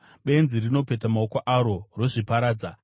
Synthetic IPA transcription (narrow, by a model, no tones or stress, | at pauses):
ɓe̞nzirino̞pe̞tamaokoʔaɾo̞ro̞ʐipaɾaːd͡za